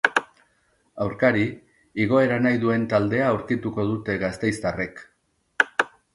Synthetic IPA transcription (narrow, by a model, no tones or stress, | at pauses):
awɾkaɾi | iɣ̞o̞e̞ɾanajðue̞nt̪ald̪e̞aːwɾkit̪uko̞ð̞ut̪e̞ɣast̪e̞jst̪are̞k